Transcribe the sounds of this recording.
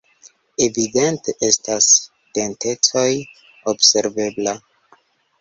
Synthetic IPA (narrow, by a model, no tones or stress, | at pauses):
evide̞nteʔestas | te̞nte̞t͡soj | obse̞ɾve̞bla